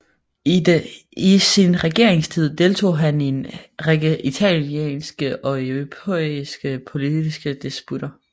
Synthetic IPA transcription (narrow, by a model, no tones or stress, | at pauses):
isinʁɛɡ̥e̝ɐe̝ŋst͡sʰið̞̰ˠd̥e̝lt͡sʰo̝̰ːɦæne̝n | it͡sʰæljḛnsɡ̥əʔɒ̽epʰosɡ̥əpʰo̝lidd̥isɡ̥əd̥isb̥ud̥ɐ